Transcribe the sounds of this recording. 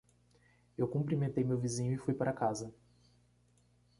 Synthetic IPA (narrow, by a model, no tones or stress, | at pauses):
ewkũpɾimẽnt̪ejmewvizĩɲʊɪfujpaɾɐakazɐ